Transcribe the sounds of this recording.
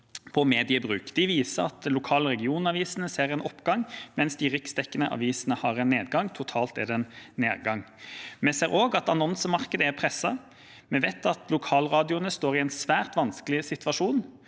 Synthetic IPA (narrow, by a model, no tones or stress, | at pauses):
pʰɔmeːd̪ɪəbʁʉ̰ːkd̪̥ɪʋiːsəɑ̰t̪lʊkʰɑːləʁɛɡɪuːnɑʋiːsənəseːʁɛnʔɔpːɡɑŋmɛnsd̪ɪʁɪksd̪ɛkːənəʔɑ̰ʋiːsənəhɑʁɛnːeːd̪ɡɑŋt̪ʰʊt̪ʰɑːlt̪ɛ̰d̪ɛnnḛːʁɡɑŋ | mɛseːʁʔoːɡɑt̪ɑnɔnsəmɑʁkəd̪əæʁpʰʁɛsːɑ | mɛʋeːt̪ʰɑt̪lʊkʰɑːlʁɑːd̪ɪʊnəst̪oːʁɪɛnsʋæːʁt̪ʋɑnskəlɪsɪt̪ʋɑʂuːn